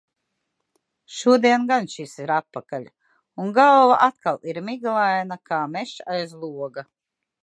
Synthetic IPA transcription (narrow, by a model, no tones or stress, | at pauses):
ʃuɔd̪iɛnɡanʃisiɾat̪̚ːakaʎʲ | unɡalˠvaʔat̪̚kalˠiɾmiɡlˠajnakaːmɛʃajzlˠuɔɡa